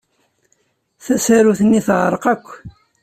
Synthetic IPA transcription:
θæsæɾuθənːiθʕɾˤəqækʷː

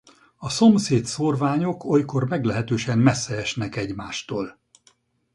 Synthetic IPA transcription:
ɒso̞mseːt̪sorvaːɲokʰojko̞rmɛɡlɛɦɛt̪øːʃɛmmɛsːɛɛʃnɛkɛɟmaːʃt̪oːl

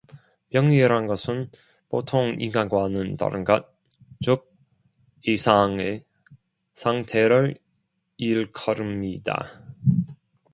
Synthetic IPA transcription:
pjʌŋiɾɦanɡʌsʰɯn | potʰoŋḭnɡanɡwanɯnta̰ɾɯ̰nɡat̚ | t͡ɕok̚ | isʰaŋe | sʰaŋtʰe̞ɾɯɾ | iɭkʰʌɾɯmɲida̰

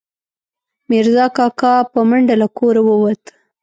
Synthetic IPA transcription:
mɪɾzɑkɑkɑpəmaɳɖalakʰoɾawəwat̪

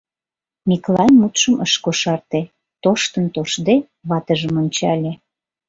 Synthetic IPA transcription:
mʲiklɑnʲmut̪ʃəməʃkoʃɑrt̪e | t̪oʃt̪ənt̪oʃd̪e | βɑt̪əʒəmonʲt͡ɕɑlʲe

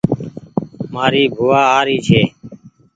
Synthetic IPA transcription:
maːɾiːbʱʊːaːaːɾiːt͡ʃʰeː

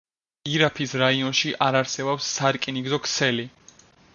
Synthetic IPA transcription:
iɾapʰisɾaiɔnʃiʔaɾaɾsɛbɔpsːaɾkʼiniɡzɔkʰsʰɛli

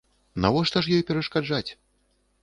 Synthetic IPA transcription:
navɔʂt̪ɐʂjɔjpʲɛɾɐʂkad͡ʐat͡sʲ

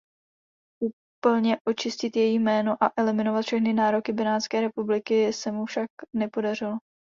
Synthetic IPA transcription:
ʔu | pl̩ɲɛʔo̞t͡ʃɪscɪt̪jɛjimɛːno̞ʔaʔɛlɪmɪno̞vat̪fʃɛxnɪnaːɾo̞kɪbɪnaːt̪t͡skɛːɾɛpublɪkɪsɛmufʃaknɛpo̞darɪlo

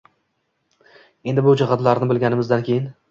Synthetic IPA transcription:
e̞nd̪ɪbʊd͡ʒɪʁɑd̪laɾnɪbɪlˠɡʲanɪmɪzd̪ankʲʰejɪn

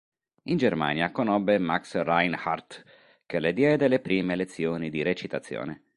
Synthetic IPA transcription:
ind͡ʒerma̰ːnjakonɔbːemaksrajnha̰rt̪ | keled̪jɛːd̪elepɾiːmelet̪sːjoːnid̪iɾet͡ʃit̪at̪sːjo̰ːne

